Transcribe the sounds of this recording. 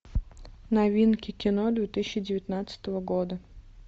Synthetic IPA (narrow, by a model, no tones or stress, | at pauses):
nɐvʲinkʲɪkʲɪnod̪vʲet̪ɨsʲɪɕːɪdʲɪvʲɪt̪ʲnat̪sə̥t̪əvəɡod̪ə